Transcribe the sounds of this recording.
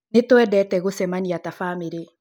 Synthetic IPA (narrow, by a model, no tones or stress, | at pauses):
netoɛdɛtɛɣosɛmaniatafaːmeɾe